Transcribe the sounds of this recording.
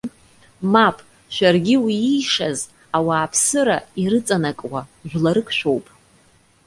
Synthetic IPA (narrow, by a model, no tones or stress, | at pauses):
mapʰʼ | ʃʷᶣarɡʲɪwiijʂaz | awaːpʰsɨɾaiɾɨt͡sʼanakʼwaʒᶣʷlaɾɨkʰʼʃᶣʷo̞wpʼ